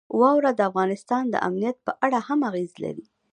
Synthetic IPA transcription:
wɑwɾad̪əafɣɑnɪst̪ɑnd̪ə̰ʔa̰mnijat̪̚pəʔaɽahamaɣezla̰ɾi

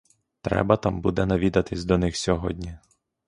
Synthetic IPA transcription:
t̪ɾɛ̰bɐt̪ɑmbud̪ɛnɐʋʲid̪ɐt̪ɪsʲd̪ɔnɪxsʲɔɦɔ̰dʲnʲi

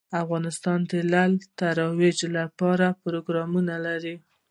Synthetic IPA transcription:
afɣɑnɪst̪ɑnd̪əlalt̪aɾɑwed͡ʒlapɑɾapɾoɡɾɑmunalaɾi

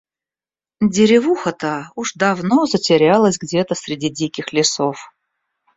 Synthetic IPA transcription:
dʲɪɾʲɪvuxət̪əuʐd̪avnozətʲɪɾʲalˠəsʲɡdʲet̪əsʲɾʲɪdʲidʲikʲɪxlʲɪsof

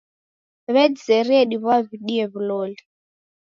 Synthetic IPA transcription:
βɛd͡zɛɾiɛɗiβaβiɗiɛβiloːli

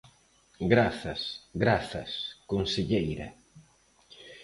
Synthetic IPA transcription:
ɡɾaθɐsɡɾaθɐ̰skonseʎejɾɐ̰

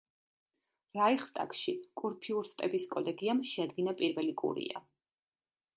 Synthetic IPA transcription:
ɾaiχst̪ʼa̰kʃikʼuɾpʰiuɾst̪ʼɛbiskʼɔlɛɡiamʃɛad̪ɡinapʼiɾvɛlikʼṵɾḭa̰

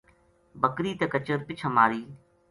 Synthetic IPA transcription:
bəkɾiːt̪ekət͡ʃəɾpɪt͡ʃʰəmaːɾiː

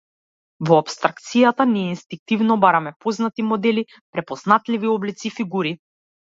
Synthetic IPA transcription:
vɔapst̪ɾak̚t̪sijat̪aniɛinst̪iŋk̚t̪ivnɔbaɾamɛpɔznat̪imɔd̪ɛli | pɾɛpɔz̥nat̪liviɔblit̪sifiɡuɾi

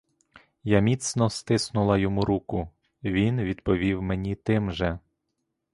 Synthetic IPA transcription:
jamʲit̪snɔst̪ɪsnʊlˠɐjɔmuɾukʊ | ʋʲinʋʲid̪pɔʋʲiwmenʲit̪ɪmʒɛ

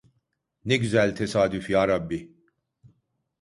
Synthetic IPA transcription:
niɡzɛlt̪ʰɛsaːd̪ifiaɾɐbːi

